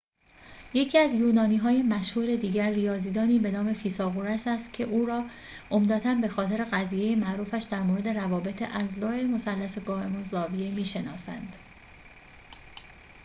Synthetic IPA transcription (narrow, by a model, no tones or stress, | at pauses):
je̞cʰiːæzjuːnɒːniːɦɒːje̞mæʃhuːɾe̞d̪iːɟæɾːijɒːziːd̪ɒːniːbe̞nɒːme̞fiːsɒːɣoɾæsæst̪cʰe̞ʔuːɾɒː | ʔo̞md̪æt̪ʰænbe̞xɒːt̪ʰe̞ɾe̞ɣæziːjejemæʔɾuːfæʃd̪æɾmoɾe̞d̪e̞ɾævɒːbe̞t̪ʰeʔæzlɒːe̞mo̞sælːæseɡɒːhe̞mozɒːviemiːʃe̞nɒːsæ̰nd̪̥